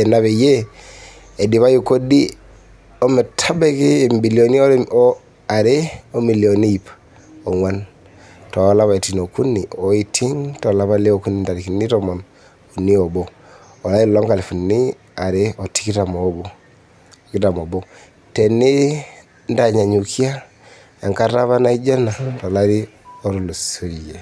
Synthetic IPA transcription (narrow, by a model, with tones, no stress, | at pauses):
e˨na˦βe˨je˦ | e˨di˨βa˦ju˦ko˦di˦ | o˦me˨tʰa˦be˦kiː˦˨mbi˨lio˨ni˦o˦ɾo | a˨ɾe˦o˦mi˨li˨o˨ni˦i˨p | o˨ŋwa˦n | to˨˦la˦βa˨i˨ti˨no˨ku˦nːi˨o˨i˦tʰi˦ŋto˨la˦βa˦le˦oku˦ni˨nda˨ɾi˨ki˨nːi˦tɔmɔ˨n | u˨ni˦ɔ˨bo˦ | ɔ˨la˦i˦lɔ˦ŋka˨li˨fu˨ni˦ | a˨ɾe˦ɔ˨ti̥˦ki˦ta˨mɔ˨˦ɡo˦˨ | ki˦ta˨mo˨bo˦ | tɛ˨ni˦ | nda˨ɲa˨ɲu˨kʰi˦a˦ | a˨ŋka˦ɾa˦βa˦na˦i˦d͡ʒa˦na˨tɔ˨la˦ɾi˦o˦ɾu˨lo˨so˦i˨je˨